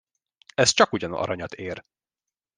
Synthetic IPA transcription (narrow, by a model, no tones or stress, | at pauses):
ɛst͡ʃɒkuɟɒnɒ̰ɾɒɲɒt̪ʰeːr